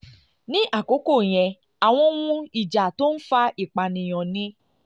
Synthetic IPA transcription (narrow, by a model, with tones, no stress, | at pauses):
nĩ˦ʔa˦˨ko˨˦ko˦˨j̃ɛ̃˨ | a˨w̃ɔ̃˧˦wũ˦i˨d͡ʒa˨to˦n̩˦fa˧ʔi˨k͡pa˨nĩ˨j̃ɔ̃˨nĩ˧˦